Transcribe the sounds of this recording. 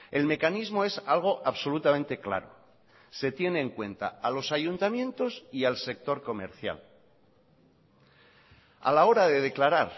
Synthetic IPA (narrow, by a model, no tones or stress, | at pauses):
e̞lme̞kanizmo̞e̞salɣ̞o̞ʔaβso̞lut̪amẽnt̪e̞kla̰ɾo̰ | se̞t̪je̞ne̞ːŋkwe̞nt̪a̰alo̞saʝunt̪amjẽ̞nt̪o̞sialse̞k̚t̪o̞ɾko̞me̞̰ɾθja̰l | a̰lao̞ɾaðe̞ðe̞klaɾaɾ